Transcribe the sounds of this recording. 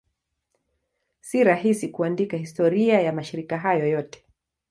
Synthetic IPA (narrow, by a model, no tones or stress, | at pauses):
siɾaɦisikuandikahistɔɾiajamaʃiɾikaɦajɔjɔtɛ̥